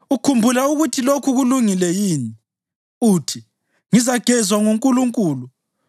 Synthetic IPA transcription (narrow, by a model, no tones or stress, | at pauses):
ukʰumbʱulauɣutʰilokʰuɣuluŋilɛjiːni | uːtʰi | ŋizaɡ̥ʱɛzwaŋuŋkʼuluŋkʼuːlu